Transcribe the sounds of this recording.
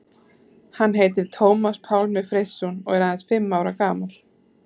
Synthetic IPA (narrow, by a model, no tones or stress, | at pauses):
hanːɦeːjt̪̬ɪɾ̥t̪ʰoːwmaspʰaːwlmɛðfɾejsːɔnɔɣɛɾaːðɪnsfɪmːawɾakaːmal̥